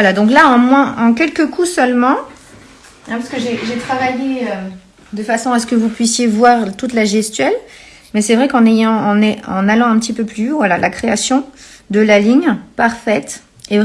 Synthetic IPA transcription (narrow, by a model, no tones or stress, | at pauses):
valad̪ɔ̃klaɑ̃mwɛ̃ʔɑ̃kʲɛlkəkʰusœlmɑ̃ | ɛ̃paʁskəʒeʒet̪χavajeø | d̪əfasɔ̃asə̥kəvupɥisjevwaʁt̪ut̪laʒɛst̪ɥɛl | mɛsɛvʁɛkɑ̃nejɑ̃ːnɛɑ̰̃nalɑ̃ɛ̃pət̪ipøplyvwalalʔakχeasjɔ̃d̪əlaliɲpaʁfɛt̪ | e